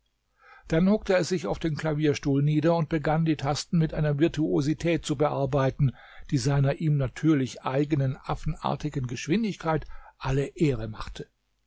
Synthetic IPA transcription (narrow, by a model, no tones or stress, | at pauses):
d̥anhʊk̚təɛsz̥ɪçaʊfd̥eːnkl̥aviːɐʃtuːlniːdɐʊnt̚b̥əɡandiːtʰastn̩mɪtʔaɪnɐvɪɐtʰuozitʰɛːt̚t͡subəʔaɐbaɪtn̩ | d̥iːzaɪnɐʔiːmnatʰyːɐlɪçʔaɪɡənənʔafn̩ʔa̰ɐtɪɡənɡəʃv̥ɪndɪçkʰaɪtʔaləʔeːʁəma̰χtʰə